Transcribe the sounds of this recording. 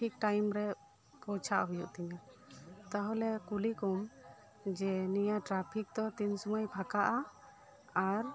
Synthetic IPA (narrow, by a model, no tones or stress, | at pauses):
ik̚ʈajmɾɛ | pɔt͡ʃʰaʔɦujṵʔt̪iɲa | t̪aɦɔlɛkulikɔm | d͡ʒɛnijaʈɾapʰik̚t̪ɔt̪insumajpʰakaʔa | aɾ